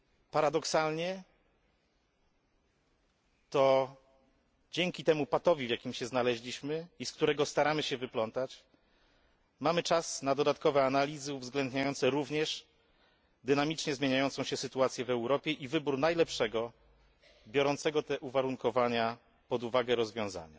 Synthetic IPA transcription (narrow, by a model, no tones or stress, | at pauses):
paɾad̪ɔksalɲɛ | t̪ɔ | d͡ʑɛŋkʲit̪ɛmupat̪ɔvʲivʲjakʲimɕɛznalɛʑlʲiɕmɘiskt̪uɾɛɡɔst̪aɾamɘɕɛvɘplɔnt̪at͡ɕ | mamɘt͡ʂasnad̪ɔd̪at̪̚kɔvɛanalʲizɘuvzɡlɛnd̪ɲajɔnt̪sɛɾuvɲɛʂ | d̪ɘnamʲit͡ʂɲɛzmjeɲajɔnt̪sɔ̃w̃ɕɛsɘt̪uat̪sʲjɛvɛwɾɔpʲjɛʔivɘbuɾnajlɛpʂɛɡɔ | bʲjɔɾɔnt̪sɛɡɔt̪ɛʔuvaɾuŋkɔvaɲa | pɔd̪uvaɡɛɾɔzvʲjɔ̃w̃za̰ɲa̰